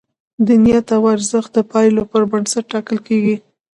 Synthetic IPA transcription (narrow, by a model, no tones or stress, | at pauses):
d̪inijat̪awaɾzəxt̪̚d̪əpɑjlopəɾbəɳsaʈ̚ːɑkəlkeɡi